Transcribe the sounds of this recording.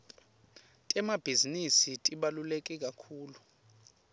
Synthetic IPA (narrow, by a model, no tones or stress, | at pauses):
tʼɛmab̥ʱizinisitʼiɓalulekʼɛk̬ʼakʰuːlu